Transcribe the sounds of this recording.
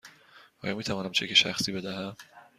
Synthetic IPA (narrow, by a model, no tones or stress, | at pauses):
ʔɒːjɒmiːt̪ʰævɒːnæmt͡ʃʰekʰeʃæ̰xsiːbe̞d̪æɦæm